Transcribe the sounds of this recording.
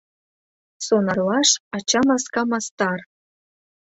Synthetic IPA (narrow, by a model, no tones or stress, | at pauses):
sonɑrlˠɑʂɑt͡ɕɑmɑskɑmɑst̪ɑr